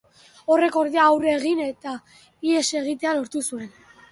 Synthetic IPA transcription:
o̞re̞ko̞ɾðeaːwɾe̞ɣ̞ine̞t̪a | ie̞se̞ɣ̞it̪e̞alo̞ɾt̪usue̞n

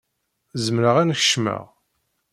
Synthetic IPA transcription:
zəmɾəʁænçə̥ʃmə̰ʁ

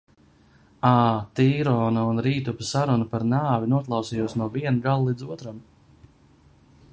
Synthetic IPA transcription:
aːt̪iːɾɔːnaunɾiːt̪upisaɾunupaɾnaːvinuɔklˠɑwsiːjuɔsnuɔviɛnuɡalˠlˠid̪zuɔt̪ɾam

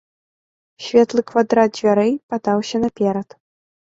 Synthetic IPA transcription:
sʲvʲɛt̪lˠɨkvad̪ɾat̪̚d͡zʲvʲaɾɛjpat̪awsʲɐnɐpʲɛɾɐt̪

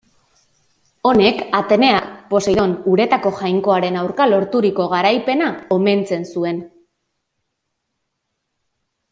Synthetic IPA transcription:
o̞ne̞kat̪e̞ne̞akpo̞sejðo̞nuɾe̞t̪ako̞ʝajŋko̞aɾe̞nawɾkalo̞ɾt̪uɾiko̞ɣaɾajpe̞nao̞me̞nt͡se̞nsue̞n

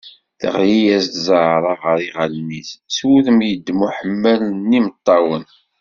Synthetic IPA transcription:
θə̰ʁjijæst̪zˤəʕɾˤɑʁəɾˤiʁælnisswuðəmjəd̪ːmuħəmːælənːimət̪ˤːɑwən

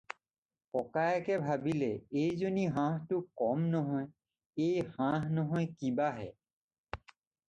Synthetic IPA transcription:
kɔkajakɛbʱabilɛejzoniɦãɦtʊkɔmnɔɦɔj | ejhãɦnɔɦɔjkibaɦɛ̰

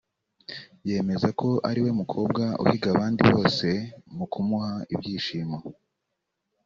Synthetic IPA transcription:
je̞ːme̞zakʰo̞ʔaɾiwe̞mukʰo̞ːbɡaṵhiɡaβaːndiβo̞ːse̞mukʰumuhaḭbjiːʃiːma

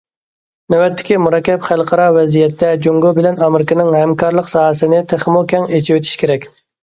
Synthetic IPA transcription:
næwɛt̪ʰːɪ̥kʲimuɾɑkʲːɛpχælˠqʰɑɾɑvɛzijɛt̪ʰːɛd͡ʒoŋɡobɪlɛnɑmɾɪkʲɪnɪŋhɛmkʰɑɾlˠəqsɑːɦəsɨnɪt̪ʰeχmokʲɛŋet͡ʃʰiwet̪ʰi̥ʃkʲeɾɛkʲ

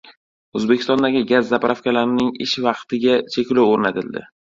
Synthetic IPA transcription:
ɵzbekʲʰɪst̪ɒnd̪aɡʲɪɡʲazːapɾʔafkʲalaɾɪnɪŋɪʃvɑqt̪ʰɪɡʲat͡ʃʰekʲlowoɾnat̪ʰɪld̪ɪ̰

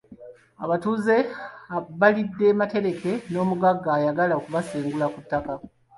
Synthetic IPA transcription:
aβatuːze̞aβalidːe̞ːmate̞ɾe̞ke̞no̞ːmuɡaɡːaːjaɡalaokuβaseːŋɡulakutːaka

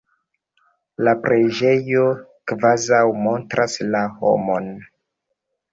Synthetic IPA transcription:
lapɾed͡ʒe̞jo̞kvazawmo̞ntɾʔaslaho̞̰mon

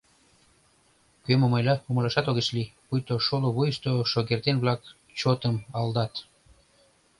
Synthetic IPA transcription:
kømomɑjlɑuməlɑʃɑt̪oɣet͡ɕlipujt̪oʃoloβujʃt̪oʃoɣert̪enβlɑk | t͡ɕot̪əmɑld̪ɑt̪

